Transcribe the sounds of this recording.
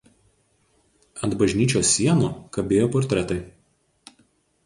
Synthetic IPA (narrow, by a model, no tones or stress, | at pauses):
ɐnt̪bɐʒʲnʲiːt͡ʃʲoːsʲːiɛnuːkɐbʲeːjoːpɔɾʲt̪ʲɾʲɛt̪ɐɪ